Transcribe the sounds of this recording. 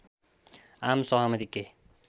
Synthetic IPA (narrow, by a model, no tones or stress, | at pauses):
amsʌɦʌmʌd̪ikːe